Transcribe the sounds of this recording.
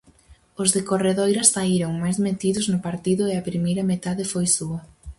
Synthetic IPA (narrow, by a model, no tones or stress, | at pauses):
ʊzðekoreðojɾɐsːaiɾoŋmajzmet̪iðʊznʊpaɾt̪iðʊeɐpɾimejɾɐmet̪aðɪfojsuɐ